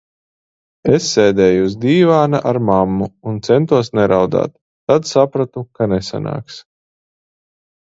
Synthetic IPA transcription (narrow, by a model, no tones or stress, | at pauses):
esːɛːd̪ɛːjuuzd̪iːvaːnaʔaɾmamːuunt̪sɛnt̪uɔsnɛɾʔawd̪a̰ːt̪ːad̪sapɾat̪ukanesa̰na̰ːks